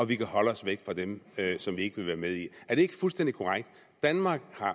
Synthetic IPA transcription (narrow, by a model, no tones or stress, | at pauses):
ɒ̽ʋikʰæhɒ̽ləɒ̽sʋeɡ̥fʁɑ̈d̥emøsɒ̽mʋie̝ɡ̥əʋe̝ʋæːɐmeð̞ˠiæɐd̥e̝e̝ɡ̥ə̥fulsd̥en̰d̥ikʰo̝ʁaɡ̥̚d̥ː | ænmɑ̈ːɡ̥hɑ̈